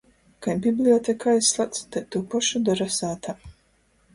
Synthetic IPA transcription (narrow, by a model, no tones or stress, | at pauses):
kajmbʲiblʲiɔt̪ʲekaːjslˠat̪st̪ajt̪uːpɔʃud̪ɔɾasaːt̪a